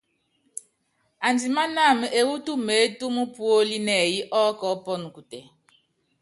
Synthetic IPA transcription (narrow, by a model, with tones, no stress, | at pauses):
a˨ndi˨ma˦na˦˨mə˨ʔe˨wu˦tu˦me˨˦tu˦mu˦pu˦o˦li˦nɛ˨ji˦ʔɔ˦kɔ˨˦pɔ˦nu˨ku˨tɛ˨